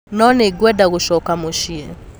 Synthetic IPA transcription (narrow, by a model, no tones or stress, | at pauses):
nɔneɡwɛdaɣoʃɔkamoʃiɛ